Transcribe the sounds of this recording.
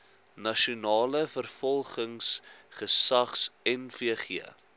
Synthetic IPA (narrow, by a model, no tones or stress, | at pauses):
nɐʃunɑːləfərfɔlˠχəŋs | χəsɐχsɛnfiəχiə̰